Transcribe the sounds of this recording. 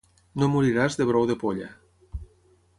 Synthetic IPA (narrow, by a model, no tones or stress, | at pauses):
nomuɾiɾazðeβɾowðepoʎa̰